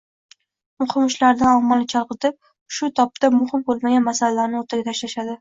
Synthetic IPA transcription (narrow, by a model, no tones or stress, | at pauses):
mʊhɪmʊʃlaɾd̪anɒmːɒlˠɪt͡ʃʰɒɾˠqɨt̪ɪp̚ | ʃʊt̪ʰɒp̚t̪amʊhɪmbolˠmaɡʲanmasalalaɾnɪoɾt̪ʰaɡʲat̪ʰaʃlaʃad̪ɪ